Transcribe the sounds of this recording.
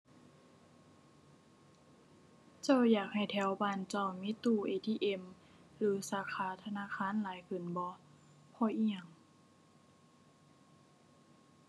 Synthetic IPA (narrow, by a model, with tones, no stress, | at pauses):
t͡ɕa˧˥˨wjaː˨˩k̚ha˧˨˩jt̪ʰɛː˨˧˥wbaː˧˨nt͡ɕa˧˨wmi˧˥˨t̪uː˧˩ʔeː˧˩t̪ʰiː˧˨ʔe˧˩˨m | lɯː˨˦saː˨˦kʰaː˧˦t̪ʰa˧naː˧˥˨kʰaː˧˥˨nlaː˨˦jkʰɯ˧˩˨nbɔ˧˦ | pʰɔ˧˦ʔiː˧˥˨ɲa˧˩ŋ